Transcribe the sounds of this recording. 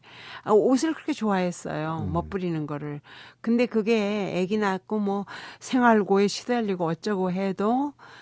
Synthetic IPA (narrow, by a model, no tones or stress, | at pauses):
aos̬ʰɯɭkɯɾʌkʰet͡ɕoaɦe̞s͈ʌ̰jomʌp͈ɯɾinɯnɡʌɾɯɭkɯnde̞kɯɡe̞eɡinak͈omwʌsʰe̞ŋwaɭɡoeɕʰi̥dʌʎːiɡoʌt͡ɕ͈ʌɡoɦedo